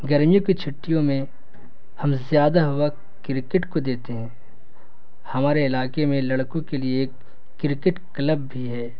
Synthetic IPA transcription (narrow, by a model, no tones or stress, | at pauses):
ɡɐɾmijõkit͡ʃʰʊʈːijõmẽ | hɐmzjaːd̪aɦʊwa | kɪɾɪkɪʈkod̪eːt̪eɦɛ̃ː | hɐmaːɾeɪlaːkemẽlɐɽkõkelieːkː | ɪɾɪkɪʈkləbbʱiɦɛː